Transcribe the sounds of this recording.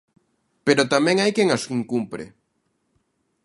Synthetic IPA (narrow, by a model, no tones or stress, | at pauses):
peɾot̪amɛ̃ŋajkeŋasiŋkumpɾɪ̰